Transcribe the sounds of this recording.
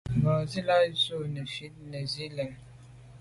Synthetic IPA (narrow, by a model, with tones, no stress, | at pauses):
ba˨zi˦la˦zo˦˨ne˨fi˦t̚ne˨zi˦lɛ˨ŋ